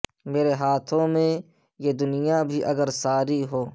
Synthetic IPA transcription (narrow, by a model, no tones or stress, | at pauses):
meːɾeɦaːt̪ʰõmẽ | jeːd̪ʊnɪjabʱiʔɐɡəɾsaːɾiɦoː